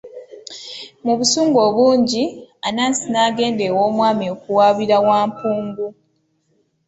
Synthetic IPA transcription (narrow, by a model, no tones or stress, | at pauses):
muβusuːŋɡo̞ːβuːɲɟianaːnsinaːɡe̞ːndewo̞ːmwaːmio̞kuwaːβiɾawaːmpuːŋɡu